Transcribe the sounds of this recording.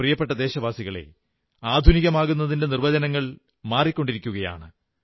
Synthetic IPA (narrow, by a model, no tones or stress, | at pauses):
rijɐpːe̞ʈːɐd̪e̞ːɕɐʋaːsiɣɐɭe̞̰ | aːd̪ʱuniɣɐmaːɣunːɐðinde̞nirʋɐd͡ʑɐnɐŋːɐɭ | maːrikʲːo̞ɳɖiɾikʲːuɣɐja̰ːɳɨ